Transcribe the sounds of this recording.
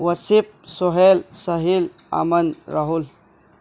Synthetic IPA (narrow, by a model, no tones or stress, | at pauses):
wɐsip̚soɦelsɐɦil | a̰mɐnɾɐɦul